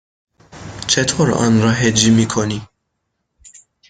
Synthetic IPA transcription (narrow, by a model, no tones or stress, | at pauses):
t͡ʃɛt̪ʰɔɾɑ̰nɾɑɦɛd͡ʒimikʰɔni